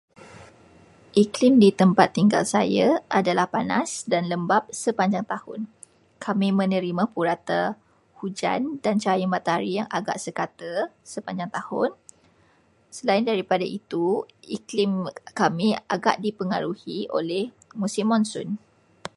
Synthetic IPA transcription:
ʔiklɪmdit̪əmpat̪ːiŋɡa̰lsa̰jaadalahpana̰sdanləmbap̚səpaɲd͡ʒaŋt̪ahʊ̰n | kʰamĩmə̃nə̃ɾimãpuɾat̪a | hud͡ʒa̰ndant͡ʃajuŋmãt̪aaɾijaŋa̰ɡa̰ʔsəkat̪əsəpaɲd͡ʒaŋt̪ahʊ̰n | səlaɪndaɾipadait̪uiklɪmkamia̰ɡa̰ʔdipəŋaɾuhio̰lɛh | mũsimːɔ̃nsʊ̰n

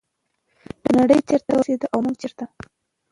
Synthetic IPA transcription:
d̪̥ənaɽəjt͡ʃeɾt̪awəsed̪əʔawmuɡt͡ʃeɾt̪a

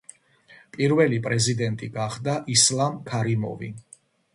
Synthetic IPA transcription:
pʼiɾvɛlipʼɾɛzid̪ɛnt̪ʼiɡaχd̪aʔislamkʰaɾimɔ̰vḭ

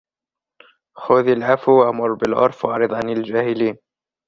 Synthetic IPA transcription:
xʊðalʕafuwaʔmʊɾˤbɪlʕʊ̰ɾˤfwʔɑʕɾɨd̪ˤʕanald͡ʒaːhɪliːn

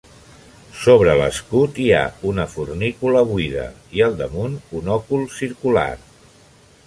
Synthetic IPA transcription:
soβɾələ̰skut̪ia̰unəfurnikuləβwiðə̰ | iəlˠd̪əmununɔkulˠsiɾkula̰r

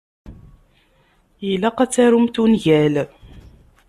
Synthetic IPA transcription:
ilːæqæt͡sːæɾumt̪unʝæl

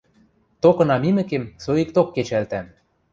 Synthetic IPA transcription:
t̪okɤ̆nɑmimɘ̆kemsoikt̪okːet͡ɕælt̪æm

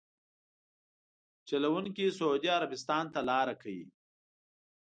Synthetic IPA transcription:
t͡ʃalawuŋkisaud̪iaɾabɪst̪ɑːnt̪alɑɾakʰawḭ

